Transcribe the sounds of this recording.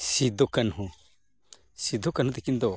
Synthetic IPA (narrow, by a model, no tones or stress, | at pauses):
sid̪okɐnɦũ | sid̪okɐnɦũt̪ekind̪o